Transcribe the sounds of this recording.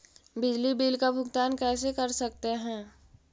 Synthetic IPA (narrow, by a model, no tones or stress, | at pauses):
bɪd͡ʒlibiːlkabʱʊɡt̪aːnkɛːs̬ekɐɾsɐk̚t̪eɦɛ̃ː